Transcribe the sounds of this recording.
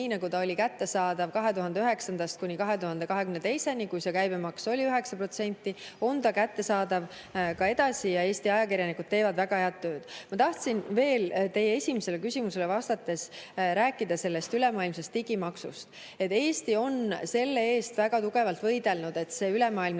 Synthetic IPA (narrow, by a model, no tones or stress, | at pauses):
iːnɑɡut̪ɑo̞lʲikæt̪ːe̞sɑːd̪̥ɑvkɑɦe̞t̪uɦɑnd̪eyɦe̞ksɑnd̪̥ɑst̪̚kunʲikɑɦe̞t̪uhɑnd̪e̞kɑɦe̞kymnet̪e̞jse̞nikujsekæjb̥emɑkso̞lʲiyɦe̞ksɑpro̞t̪se̞nʲt̪ːˑio̞nt̪ɑkæt̪ːe̞sɑːd̪ɑv | kɑe̞d̪ɑsijɑe̞ːsʲt̪iɑjɑkirʲjɑnikud̪̥̚t̪ːeːvɑd̪væɡ̥ɑheɑd̪̥̚t̪ːø̞ːd̪̥mɑt̪ɑht̪sinve̞ːlt̪e̞jːee̞sʲimese̞lekysʲimuse̞levɑst̪ɑt̪ːˑe̞sɾæːkːˑid̪̥ɑse̞lːe̞st̪ylemɑːilmsest̪ːiɡimɑksṵst̪ | et̪ːˑe̞ːsʲt̪io̞nse̞lːe̞eːst̪væɡ̥ɑt̪uɡ̥e̞vɑlt̪vɤ̞jd̪e̞lnud̪e̞t̪se̞ːylemɑːilm